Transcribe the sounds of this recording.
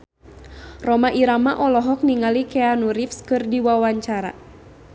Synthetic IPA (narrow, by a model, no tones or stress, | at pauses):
rɔmaʔiɾamaʔɔlɔɦɔk̚niŋalikɛanuɾifskɨrdiwawaɲt͡ʃaɾa̰